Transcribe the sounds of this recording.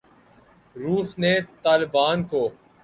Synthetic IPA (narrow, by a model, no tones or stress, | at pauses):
ɾuːsnet̪aːlɪbaːnkoː